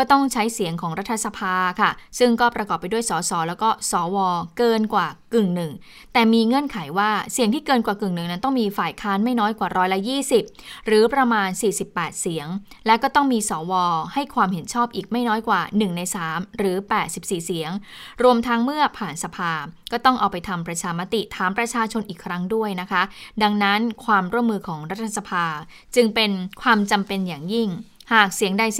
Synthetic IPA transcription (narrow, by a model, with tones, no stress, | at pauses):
ɔː˥˩t̪ɔ˥˩ŋt͡ɕʰa˦˥jsi˨˩˦əŋkʰɔː˩˦ŋɾa˦˥t̪ʰːa˧sa˧pʰaː˧kʰa˥˩sɯ˥˩ŋkɔː˥˩pɾa˧kɔː˨˩pːa˧jdu˥˩əjsɔː˩˦sɔː˩˦lɛ˦˥wkɔː˥˩sɔː˩˦wɔː˧kɤː˧nkwaː˨˩kɯ˨˩ŋnɯ˨˩ŋ | t̪ɛː˨˩miː˧ŋɤ˧˥ə˨nkʰa˩˦jwaː˥˩si˨˩˦əŋt̪ʰiː˥˩kɤː˧nkwaː˨˩kɯ˨˩ŋnɯ˨˩ŋna˦˥nt̪ɔ˥˩ŋmiː˧faː˨˩jkʰaː˦˥nma˥˩jnɔː˦˥jkwaː˨˩ɾɔː˦˥jla˦˥jiː˥˩si˨˩p̚ɾɯː˩˦pɾa˧maː˧nsiː˨˩si˨˩pːɛː˨˩t̪̚si˩˦əŋ | lɛ˦˥wkɔː˥˩t̪ɔ˥˩ŋmiː˧sɔː˩˦wɔː˧ha˥˩jkʰwaː˧mɦe˩˦nt͡ɕʰɔː˥˩p̚ʔiː˨˩k̚ma˥˩jnɔː˦˥jkwaː˨˩nɯ˨˩ŋna˧jsaː˩˦mɾɯː˩˦pɛː˨˩t̪̚si˨˩p̚siː˨˩si˩˦əŋ | ɾu˧əmt̪ʰa˦˥ŋmɯ˥˩ɐəpʰaː˨˩nsa˧pʰaː˧kɔː˥˩t̪ɔ˥˩ŋʔaː˨˧wpa˧jt̪ʰa˧mpɾa˧t͡ɕʰaː˧ma˦˥t̪i˨˩t̪ʰaː˨˩˦mpɾa˧t͡ɕʰaː˧t͡ɕʰo˧nʔiː˨˩kʰɾa˦˥ŋdu˥˩əjna˦˥kʰa˦˥da˧ŋna˦˥nkʰwaː˧mɾu˥˩əmːɯː˧kʰɔː˩˦ŋɾa˦˥t̪ʰːa˧sa˧pʰaː˧ | t͡ɕɯ˧ŋpe˧nkʰwaː˧mt͡ɕa˧mpe˧njaː˨˩ŋji˥˩ŋhaː˨˩k̚si˨˩˦əŋda˧j